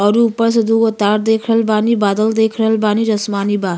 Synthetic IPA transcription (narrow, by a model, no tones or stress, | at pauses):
ɔɾuːpəɾs̬ɐd̪uɡot̪aːɾd̪eːkʰɾəlbaːnibaːd̪əld̪eːkʰɾəlbaːniɾɐsmaːnibaː